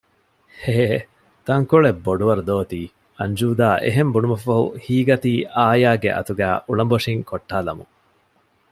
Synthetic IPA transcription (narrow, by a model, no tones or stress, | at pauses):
heː | t̪ɐŋkoɭebːoɖuʋɐɾud̪oːt̪iː | ɐɲd͡ʒuːd̪aːʔḛɦembunumɐfɐɦṵhiːɡɐt̪iːʔaːjaːɡḛʔɐ̰t̪uɡæːʔuɭɐmboʂiŋkoʈːaːlɐmṵŋ